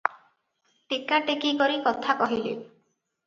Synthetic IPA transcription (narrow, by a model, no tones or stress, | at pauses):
ʈikaʈekikɔɾikɔt̪ʰakɔɦilḛ